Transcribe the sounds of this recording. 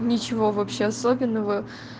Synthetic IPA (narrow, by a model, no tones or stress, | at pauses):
nʲɪt͡ɕɪvo̞vɐpɕːeɐso̞bʲɪnːəvə